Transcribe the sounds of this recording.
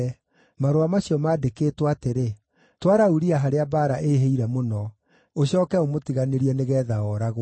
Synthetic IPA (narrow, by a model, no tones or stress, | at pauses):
maɾoamaɕiɔmaːdekeːtwateɾe | twaɾauɾiaɦaɾeabaːɾaʔeɦeiɾɛmonɔ | oɕɔːkɛomotiɣaneɾiɛneɣɛːðaɔɾaɣ